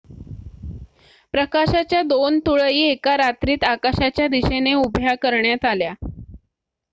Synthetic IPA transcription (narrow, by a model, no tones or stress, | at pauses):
pɾəkaɕat͡ɕjad̪ont̪uɭəjiːekaɾat̪ɾiːt̪akaɕat͡ɕjad̪iɕeneubʱjakəɾɳjat̪alja